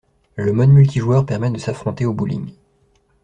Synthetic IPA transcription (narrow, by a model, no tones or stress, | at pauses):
ləmɔd̪mylt̪ʰiʒwœʁpɛʁmɛd̪əsafχɔ̃t̪eobulḭŋ